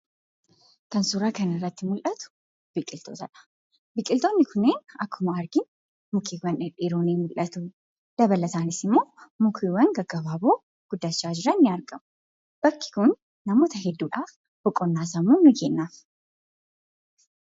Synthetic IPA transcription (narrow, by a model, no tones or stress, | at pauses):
kɐnsʊɾɐkɐnɪrːɐt̪ːɪmʊlʔɐt̪ʊ̥ | b̥ɪkʼːɪlt̪ʰo̰ːt̪ɐᶑɐ̥ | bɪkʼɪlt̪oːnːɪkʰʊnːeːnɐkʰːʊmɐɐɾɡɪn | mʊkʰiwɐnɪᶑɪːɾoːneːmʊlʔɐt̪u | d̪̥ɐbɐlɐsaːnɪsɪmːo̞ːmʊkʰiːwɐŋɡɐɡɐbaːboː | ɡ̥ʊd̪ːɐt͡ʃːaːd͡ʒɪɾɐnːɪɐɾɡɐmʊ | b̥ɐkːɪ̥kʊnː | ɐmo̞ːt̪ɐɦɛd̪ːuːᶑaːf | bɔkʼːɔnːaːs̬ɐmuːmɪɡeːnːaːf